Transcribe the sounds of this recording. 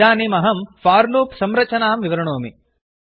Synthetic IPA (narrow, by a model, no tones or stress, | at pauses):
aːnimɐɦɐmfaːɾloːpsɐmɾɐt͡ʃɐnaːmʋiʋɐɾɐɳoːmi